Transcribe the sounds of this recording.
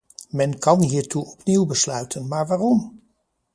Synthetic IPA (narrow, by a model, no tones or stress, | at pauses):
mɛnkɑnɦiːɹtuɔpniwbəslœɥtʰənmaːɹʋaːrɔm